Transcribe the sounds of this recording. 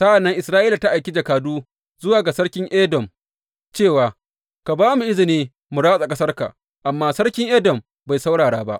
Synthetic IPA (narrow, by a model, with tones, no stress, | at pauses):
sa˦ʔa˨nːɐ˦ŋʔɪ˨sɾaː˦ʔiː˦la˨ta˦ʔa˨jkʲɪ˦d͡ʒɐ˨kaː˨duː˦ | zʊ˦waː˨ɡa˨sɐ˦ɽkʲɪ˦ŋʔeː˦dɔ˨m | t͡ʃeː˦˨waː˨ | ka˨baː˦mu˨ʔɪ˦zɪ˨niː˦ | mʊ˨ɽaː˦sʼa˨kʼɐ˦sɐ˦rka̰˨ | ʔa˨mːaː˦sɐ˦ɽkʲɪ˦ŋʔeː˦dɔ˨m | ba˨jsa˦wɽaː˨ɽaː˦ba̰˦ʔ